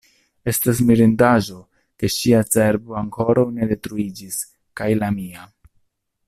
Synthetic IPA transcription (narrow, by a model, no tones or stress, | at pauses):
e̞stas̬miɾindaʒo̞ | ke̞ʃiat͡se̞ɾbo̞aŋko̞ɾawne̞de̞tɾuid͡ʒis | kajlamia